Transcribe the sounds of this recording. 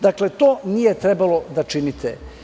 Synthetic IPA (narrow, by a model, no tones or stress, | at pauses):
d̪akle̞t̪oːnije̞t̪ɾebalo̞d̪at͡ʃinit̪ʰe